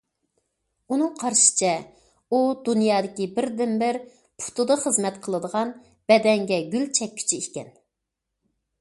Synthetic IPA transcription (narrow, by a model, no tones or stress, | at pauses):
unɨŋqʰɑɾʃɪ̥t͡ʃʰɛ | ud̪unjɑːd̪ɪkʲibɪɾd̪ɪmbɪɾ | pʰu̥t̪ʰud̪ɑχəzmɛt̪qʰəlˠɨd̪əʁɑn | b̥ɛd̪ɛŋɡʲɛɡʲylt͡ʃʰɛk̚ʲːʰy̥t͡ʃʰiikʲɛn